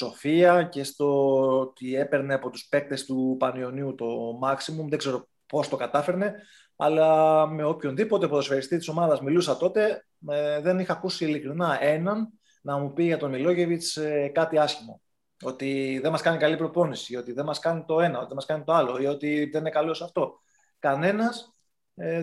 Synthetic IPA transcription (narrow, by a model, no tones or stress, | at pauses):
so̞fiɐce̞st̪o̞t̪ie̞pe̞ɾne̞ɐpo̞t̪uspe̞k̚t̪e̞st̪upɐnio̞niut̪o̞mɐksimumðe̞ɡze̞ɾo̞ | po̞st̪o̞kɐt̪ɐfe̞ɾne̞ | ɐ̰lɐme̞o̞pço̞nðipo̞t̪epoðosfeɾist̪it̪i̥so̞mɐðɐzmilusɐt̪o̞t̪e̞ | ðe̞nixɐːkusiːlikɾinɐe̞nɐn | nɐmupiʝɐt̪o̞milo̞ʝe̞vit͡skɐt̪iɐsçimo̞̰ | o̞t̪iðe̞mɐskɐnikɐlipɾo̞po̞nisio̞t̪iðenmɐskɐnit̪o̞e̞nɐot̪iðemɐskɐnit̪oɐlo̞io̞t̪iðeninekɐlo̞sɐft̪o̞ | kɐne̞nɐs | e